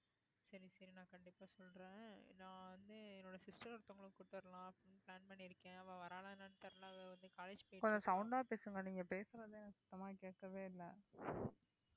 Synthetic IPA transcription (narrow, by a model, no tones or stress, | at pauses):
sɐɾisɐɾinãːkɐɳɖɪpːaːsɔlɾẽːnãːʋɐnd̪ɯɛnːoːɽɐsɪsʈɐɾɔɾt̪ːɐ̃ŋɡɐɭɯ̃kuːʈːɯʋɐɾɐlãːɐpːɪnpɪlaːnpɐɳːiɪɾɯkːẽːɐʋɐ̃ːʋɐɾaːlɐnaːnɯt̪ɐɾɐlãːɐʋɐ̃ʋɐnd̪ɯkaːled͡ʒ̥poːkɔɲd͡ʒɔ̃sɐʊɳɖaːpeːsɯŋɡɐniːŋɡɐpeːsɯɾɐðenãsɪt̪ːɐmaːkeːkːɐʋeːɪlːɐ